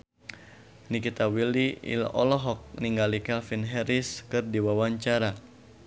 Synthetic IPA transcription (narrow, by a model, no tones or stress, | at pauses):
nikit̪awiliḭlɔ̰lɔɦɔk̚niŋɡalikɛlfinɦɛɾiskɨrdiwawaɲt͡ʃaɾa